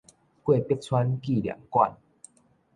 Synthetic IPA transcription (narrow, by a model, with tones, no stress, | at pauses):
kwe˥˧˨pjk̚t͡sʰwa˦nki˥˨lja̰˨˩˦ŋkwa̰˥˧n